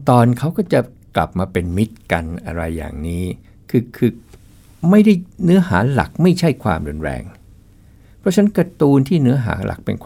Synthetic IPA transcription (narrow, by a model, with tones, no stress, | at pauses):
t̪ɔː˧nkʰa˦˥wkɔː˥˩t͡ɕa˨˩ | kla̰˨˩p̚maː˧pe˧nmi˦˥t̪̚ka˧nʔa̰˧ɾa˧jːa̰ː˨˩ŋniː˦˥ | kʰɯː˧kʰɯː˧ | ma˥˩jda˥˩jnɯ˦˥ɐha̰ː˩˦la̰˨˩k̚ma˥˩jt͡ɕʰa˥˩jkʰwa̰ː˧mɾu˧nɾɛ̰ː˧ŋ | pʰɾɔ˦˥t͡ɕʰa˦˥nkɾa˧t̪uː˧nt̪ʰiː˥˩nɯ˦˥ɐɦa̰ː˩˦la̰˨˩k̚pḛ˧nkʰ